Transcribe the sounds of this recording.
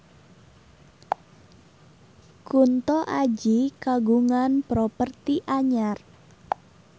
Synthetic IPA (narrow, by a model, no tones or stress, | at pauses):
kunt̪ɔʔad͡ʒikaɡuŋanpɾopərt̪iʔaɲar